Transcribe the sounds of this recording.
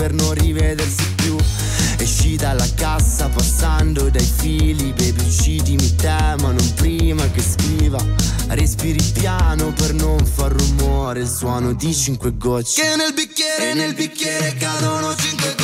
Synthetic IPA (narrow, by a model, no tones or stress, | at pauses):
pernonrivɛd̪ersipju | eʃːid̪alakasːapasːand̪od̪ajfiːlipepit͡ʃːit̪imit̪ːɛmanompɾiːmak̟eskɾiːvarespiːɾipjaːnopernoɱfarːumɔɾelswɔːnod̪it͡ʃiŋkweɡɔt͡ʃːenelbikʲːjɛːɾenelbikːjɛːɾekanonot͡ʃiŋkwe